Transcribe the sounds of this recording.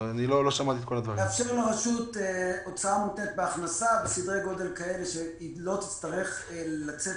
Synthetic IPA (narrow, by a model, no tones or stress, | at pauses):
aniloloʃamat̪iːt̪ko̞lad̪vaʁieefʃeʁloʁaʃut̪eo̞t͡saamut̪net̪̚beaχnasabesid̪ʁejɡo̞d̪e̞lkae̞le̞ʃe | lo̞t̪i̥t͡st̪aʁe̞χelat͡se